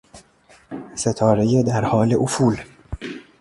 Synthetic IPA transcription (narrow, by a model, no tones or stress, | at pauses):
set̪ʰɒːɾejed̪æɾhɒːleʔofuːl